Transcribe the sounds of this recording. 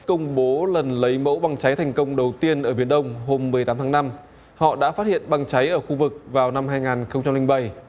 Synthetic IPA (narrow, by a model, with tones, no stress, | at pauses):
kə˧wŋ͡mɓo˨˦lə˨˩nlə˨˦jmo̰˧˥wɓa˧ŋt͡ɕa˨˦jt̪ʰɛ˨˩jŋ̟kə˧wŋ͡mɗə˨˩wt̪i˧ənʔəː˧˩ɓi˧˩ənɗə˧wŋ͡mɦo˧mːɨ˨˩əjt̪aː˨˦mt̪ʰaː˨˦ŋna˧m | hɔ̰˧˨ɗa̰ː˧˥faː˦˥t̚hḭ˧˨ənɓa˧˩ŋt͡ɕa˨˦jʔəː˧˩xu˧vɨ˨˩k̚vaː˨˩wna˧mɦaː˧jŋaː˨˩nxə˧wŋ͡mt͡ɕa˧mlï˧ŋ̟ɓa˧˩j